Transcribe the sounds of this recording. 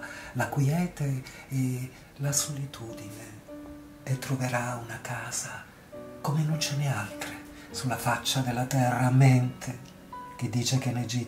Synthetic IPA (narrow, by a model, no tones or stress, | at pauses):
lakwiɛːt̪eː | lasolit̪ʰuːd̪ineː | t̪ːɾoveɾaunakaːz̥a | komenont͡ʃɛnealt̪ɾe | sulːafat͡ʃːad̪elːat̪ɛrːamɛnt̪ʰe | k̟ed̪ːiːt͡ʃekened͡ʒi